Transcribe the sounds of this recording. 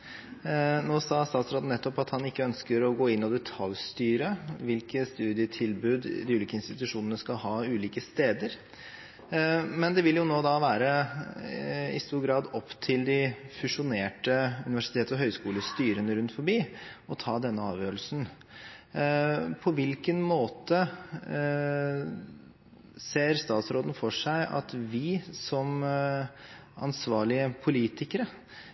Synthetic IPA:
noːsɑːst̪ɑːt̪sɾɑːd̪n̩nɛt̪ːɔpɑt̪hɑnɪkːəœnskəɾɔɡoːɪnːɔd̪ɛt̪ʰɑljst̪yːɾəʋɪlkəst̪ʉːd̪ɪət̪ʰɪlbʉːd̪d̪ɪʉliːkəɪnst̪ɪt̪ʉʂuːnənəskɑlhɑːʉːliːkəst̪eːd̪əɾ | mɛnd̪ɛʋɪljʊnoːd̪ɑʋæːɾə | ɪ̰st̪uːɾɡɾɑːd̪ɔpt̪ʰɪld̪ɪfʉʂʊneːʈəʉnɪʋæʂɪ̥t̪ʰeːt̪ɔɦœʏskuːləst̪yːɾənəɾʉnt̪fɔɾbiːɔt̪ʰɑːd̪ɛnːəɑːʋjøːɾəl̩sn̩ | pʰɔʋɪlkənmoːt̪ə | seːɾst̪ɑːt̪sɾoːd̪n̩fɔʂæɪʔɑ̰t̪ʋɪsɔm | ɑ̰nsʋɑːɭɪəpʰʊliːt̪ɪkəɾə

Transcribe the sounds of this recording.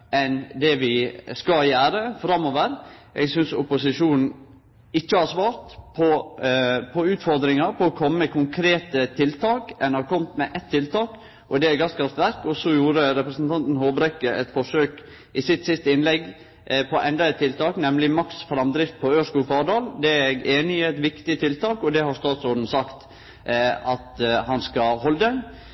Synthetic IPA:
ɛnd̪ɛʋɪskɑjæːɾəfɾɑmːoːʋəɾjæ̰ɡsʏnsʊpʊsɪʂuːnn̩ | ɪçːəhɑɾsʋɑːɾt̪pʰɔ | pʰɔʉːt̪fɔɾd̪ɾɪŋɑɾpʰɔːkʰɔmːəkʰʊŋkʰɾeːt̪ət̪ʰɪlt̪ʰɑːkɛnəɑɾkʰɔmt̪mɛʔɛt̪ʰːɪlt̪ʰɑːk | ʔɔd̪ɛæɡɑskʰɾɑft̪ʋæɾkɔsɔjuːɾəɾɛpɾəsnt̪ʰɑnt̪n̩hoːbɾɛkːəʔɛt̪fɔʂøːk | ʔɪsɪt̪ːsɪst̪əɪnlɛɡː | pʰɔʔɛnd̪ɑɛt̪ʰːɪlt̪ɑːknɛmlɪmɑksfɾɑmd̪ɾɪft̪̚pʰɔøːʂkuːfɑːɖɑːld̪ɛæɛɡeːnɪɛt̪ʋɪkt̪ɪt̪ʰɪlt̪ɑːkɔd̪ɛhɑɾst̪ɑːt̪sɔːd̪n̩sɑkt̪ | ɑt̪hɑnskɑhɔləd̪ə

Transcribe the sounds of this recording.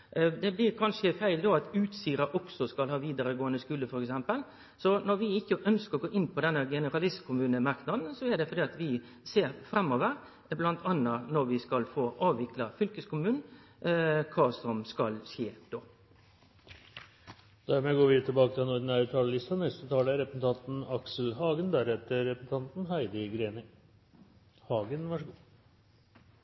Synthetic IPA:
d̪ɛblɪːɾkʰɑnʂəfæɪld̪ɔɑt̪ʉːt̪siːɾɑʔɔksɔskɑlhɑːʋiːd̪əɾəɡoːənəskʉːləfɔɾɛksɛmpəl | sɔnɔɾʋɪɪkːəʔœnskəɔɡoːʔɪnːpʰɔd̪ɛnːəɡɛnəɾɑlɪst̪kʰʊmʉːnəmɑɾknɑd̪n̩sɔɛd̪ɛfɔɾdiːɑt̪ʋɪ | seːɾfɾɛmːɔʋəɾ | blɑnt̪ʰɑnːɑnɔɾʋɪskɑlfoːʔɑːʋʋɪklɑfʏlkəskʊmʉːn | kʰɑːsɔmskɑlɕeːd̪̥oː | d̪̥æɾmɛɡoːɾʋɪt̪ʰɪlbɑːkət̪ʰɪɛnɔd̪ɳ̩æʉt̪ʰɑːləlɪst̪ɑnɛst̪ət̪ʰɑːləɾɛpɾəsn̩t̪ʰɑnt̪n̩ɑksl̩hɑːɡənd̪æɾhɛt̪əɾɛpɾsn̩t̪ʰɑnt̪n̩hæɪd̪əɡɾeːnɪ | hɑːɡənʋɑʂəɡuː

